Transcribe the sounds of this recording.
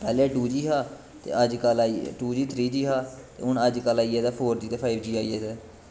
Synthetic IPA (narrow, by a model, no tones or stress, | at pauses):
pɛːleɛːʈuːd͡ʒiːɦaː | t̪ḛːəd͡ʒkəlaːiʈuːd͡ʒiːt̪ʰɾiːd͡ʒiːɦaːt̪ḛːʊɳəd͡ʒkəlaːiːɛːd̪ɛːpʰoːɾd͡ʒiːt̪eːpʰaːɪbd͡ʒiːaːiːɛːd̪ɛː